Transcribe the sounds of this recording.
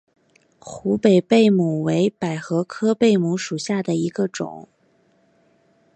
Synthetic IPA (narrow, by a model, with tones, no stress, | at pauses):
xu˧˥pe˨˩ɪpe˥˩ɪmu˨˩we˧˥ɪpa˨˩ɪxɤ˧˥kʰɤ˥pe˥˩ɪmu˧˥ʂu˨˩ɕja˥˩d̪ə˩i˧˥ɡə˧ʈ͡ʂʊ̰˨˩˦ŋ